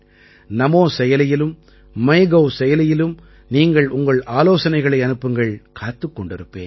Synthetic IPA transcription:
nɐmoːsɛjɐlɪjɪlɯm | mɐɪɣɐʋsɛjɐlɪjɪlɯm | niːŋɡɐɭʊŋɡɐɭaːloːsɐnɐɪɣɐɭɐɪɐnɯpːɯŋɡɐɭkʰaːt̪ːɯkːɔɳɖɪɾɯpːḛːn

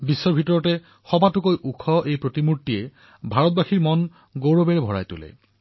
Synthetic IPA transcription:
bisːɔɹbʱitɔɹɔtɛ | xɔbatʊkojʔukʰɔʔejpɹotimuɹtːiɛ | bʱaɹɔt̚baxiɹmɔn | ɡowɹobɛɹɛbʱɔɹa̰jtʊ̰lɛ̰

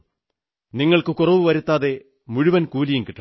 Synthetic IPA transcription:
niŋːɐɭkɨkurɐʋɨʋɐɾut̪ːaːðe̞ | muɻuʋɐnkuːlijumkiʈːɐ

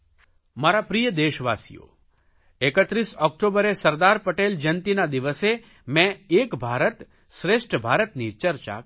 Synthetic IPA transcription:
maɾapɾijəd̪eʃʋasḭjo̰ | ekət̪ɾisɔk̚ʈobəɾesəɾd̪aɾpəʈeld͡ʒənt̪inad̪iʋəse | mɛ̃ekbʱaɾət̪ | ʃɾeʃʈbʱaɾət̪nit͡ʃəɾt͡ʃa̰

